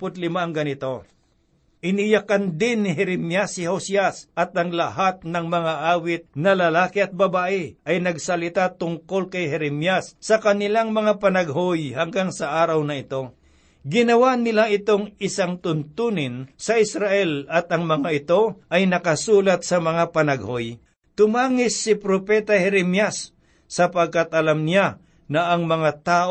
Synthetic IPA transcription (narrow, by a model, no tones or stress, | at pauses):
pʊt̪lɪmaʔɐŋɡɐnɪt̪o̞ | ʔɪnɪjɐkand̪ɪnːɪɦɛɾɛmjasɪhosasʔɐt̪̚ɐŋlɐhat̪̚nɐŋmɐŋaʔaːwɪt̪̚nɐlɐlaːkɪɐt̪̚bɐbaːʔɪʔɐjnɐɡsɐlɪt̪at̪ʊŋko̞lkɐjɦɛɾɛmjasːɐkɐnɪlaŋmɐŋapɐnɐɡ̚ɦojhɐŋɡaŋsɐʔaːɾɐwnɐɪt̪o̞ | ɡɪnɐwanɪlaʔɪt̪oŋɪsaŋt̪ʊnt̪uːnɪnsɐɪsɾaʔɛlɐt̪ɐŋmɐŋaɪt̪o̞ʔɐjnɐkɐsuːlɐt̪̚sɐmɐŋapɐnɐɡhoj | t̪ʊmaːŋɪsːɪpɾopɛːt̪ahɛɾɛmjasː | ɐpɐɡ̚kat̪ɐlamnɪja | nɐʔːŋmɐŋat̪aːʔ